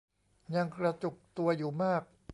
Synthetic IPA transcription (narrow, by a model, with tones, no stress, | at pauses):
ɲa˧ŋkɾa˧t͡ɕu˨˩k̚t̪u˧ɐjuː˨˩maː˥˩k̚